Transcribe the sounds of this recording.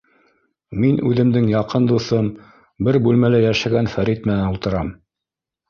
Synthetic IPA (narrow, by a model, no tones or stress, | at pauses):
minʉðɘ̆md̪ɘŋjɑqɤnd̪uθɤm | bɘɾbʉlmælæjæʃæɡænfæɾit̪mɘnænult̪ɤ̆ɾɑm